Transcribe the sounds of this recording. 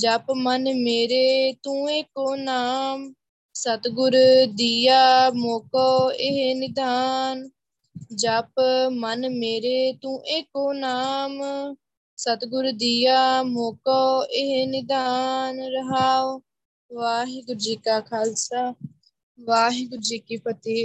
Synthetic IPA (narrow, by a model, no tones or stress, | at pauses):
d͡ʒaːpmənmeːɾeːt̪ũːeːkoːnaːm | sət̪ɡʊɾd̪iːjaːmoːkoːeɦenɪd̪aːn | d͡ʒaːpmənmeːɾeːt̪ũːʔeːkoːnaːm | sət̪ɡʊɾd̪iːaːmoːkɔːeɦenɪd̪aːnɾəɦaː | ʋaːɦiːɡʊɾd͡ʒiːkaːkʰaːlsaː | ʋaːɦiːɡʊɾd͡ʒiːkiːpət̪eː